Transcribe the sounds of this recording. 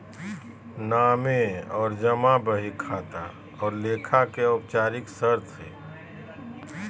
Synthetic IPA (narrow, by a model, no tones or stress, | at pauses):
naːmeɔːɾd͡ʒəmãbəɦikʰaːt̪a̰ | ɔːɾleːkʰakeop̚t͡ʃaːɾɪksəɾt̪ʰḛː